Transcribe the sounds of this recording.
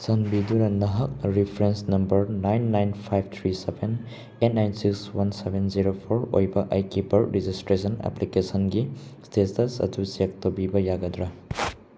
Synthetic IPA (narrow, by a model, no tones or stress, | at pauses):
sɐnbidunɐnɐɦɐk̚ɾipʰɾensnɐmbɐɾnajnːajnpʰajb̚ʰʱt̪ʰɾisebʰʱen | enajnsikswansebʱenziɾopʰoɾo̰jbɐʔajkipɐɾɾid͡ʒistɾesɐnḛplikesɐnɡistesɐsɐ̰tusik̚tobibɐjaɡɐdɾa